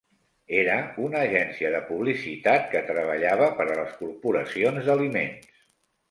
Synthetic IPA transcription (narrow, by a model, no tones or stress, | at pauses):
eɾəunəːʒɛnsiəðəpuβ̞lisit̪at̪kət̪ɾəβ̞əʎaβəpəɾələskuɾpuɾəsionzd̪əlimḛns